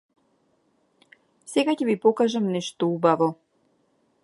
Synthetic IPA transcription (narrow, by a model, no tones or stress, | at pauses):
sɛɡacɛvipɔkaʒamnɛʃt̪ɔubavɔ